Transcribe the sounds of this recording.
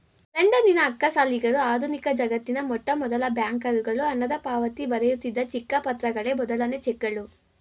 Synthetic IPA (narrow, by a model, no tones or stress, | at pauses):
d̪ɐɳɖɐninɐːkːɐsaːliɡɐd̪uaːd̪ʱunikɐd͡ʒɐɡɐt̪ːinɐmɔʈ̪ːɐmɔd̪ɐlɐbjaːŋkɐɾuɡɐɭuɐnːɐd̪ɐpaːʋɐt̪ibɐɾɐjut̪ːid̪ːɐt͡ʃikːɐpɐt̪ɾɐɡɐɭe̞ːmɔd̪ɐlɐnet͡ʃɛkːɐɭu